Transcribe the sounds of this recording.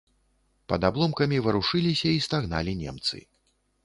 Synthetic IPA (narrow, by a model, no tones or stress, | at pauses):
pɐd̪ablˠɔmkɐmʲivɐɾuʂɨlʲisʲɐist̪aɣna̰lʲinʲɛ̰mt̪sɨ̰